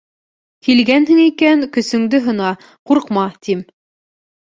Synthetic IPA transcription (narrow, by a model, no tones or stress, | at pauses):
kilɡænɦɘ̆ŋikænkɵ̆sɵ̆ŋd̪ɘɦɤ̆nɑ | quɾqmɑt̪im